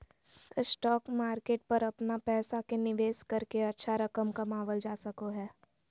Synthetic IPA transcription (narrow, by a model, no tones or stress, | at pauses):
sʈɔːkmaːɾkeːʈ̚pɐɾɐpnapɛːsakenɪʋeːskɐɾkeɐtːʃʰaɾɐkəmkɐmaːʋəld͡ʒaːsɐkoɦɛː